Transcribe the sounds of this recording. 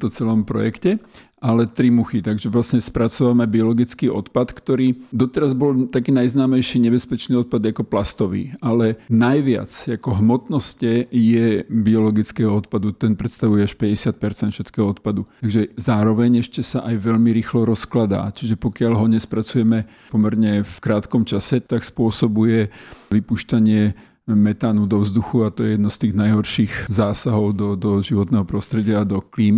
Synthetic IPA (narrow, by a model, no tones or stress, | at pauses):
t̪ɔt͡sɛlɔmpɾɔ̰jɛkcɛ | alɛt̪ɾimuxit̪aɡʒɛʋlasɲɛspɾat͡sɔʋamɛbiɔlɔɡit͡skiːʔɔ̰t̪pat̪kt̪ɔɾiːd̪ɔt̪ɛɾazbɔlt̪akiːnajznaːmɛjʃiːɲɛbɛspɛt͡ʃniːɔt̪̚pad̪akɔplast̪ɔʋḭːalɛnajʋɪa̰t͡sakɔɦmɔt̪nɔscɛjɛbiɔlɔɡit͡skɛːɦɔɔt̪pad̪ut̪ɛnpɾɛt̪st̪aʋujɛaʃpɛɟɛsɪat̪̚pɛɾt͡sɛnt̪fʃɛt̪kɛːɦɔɔt̪̚pad̪ut̪aɡʒɛzaːɾɔʋɛɲɛʃcɛsaʔajʋɛʎmiɾiːxlɔɾɔsklad̪a̰ːt͡ʃiʒɛpɔkɪaʎɦɔɲɛspɾat͡sujɛmɛ | pɔmɛɾɲɛfkɾaːt̪kɔmt͡ʃasɛt̪akspʊɔsɔbujɛʋipuʃtaɲɪɛ | mɛt̪aːnud̪ɔvzd̪uxuat̪ɔjɛjɛd̪nɔst̪iːɣnajɦɔɾʃiːxzaːsaɦɔʊd̪ɔd̪ɔʒiʋɔt̪nɛɦɔpɾɔst̪ɾɛɟɪaːd̪ɔkliːm